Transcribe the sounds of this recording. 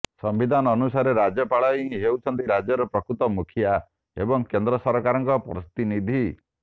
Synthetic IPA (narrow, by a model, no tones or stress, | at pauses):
sɔmbid̪ʱanɔːnusaɾeɾad͡ʒjɔpaɭɔiɦĩɦewt͡ʃʰɔnt̪iɾad͡ʒjɔɾɔpɾɔkɾut̪ɔmukʰija | ebɔŋkend̪ɾɔsɔɾkaɾɔŋkɔpɾst̪inid̪ʱi